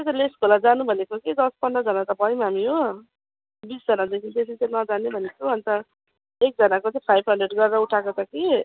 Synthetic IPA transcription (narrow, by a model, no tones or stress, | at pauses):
et͡sʌ̃leskolad͡zanubʱʌnekokid̪ʌspʌnɖʌd͡zʌnat̪ʌbʱʌjmɦamiɦo | bisd͡zʌnadekʰint̪esʰit͡sʌjnʌd͡zanebʱʌnekʰoʌnt̪ʌ | ek̚d͡zʌnakot͡saĩpʰajbʱɦʌɳɖreɖɡʌrdauʈʰakot͡sʌki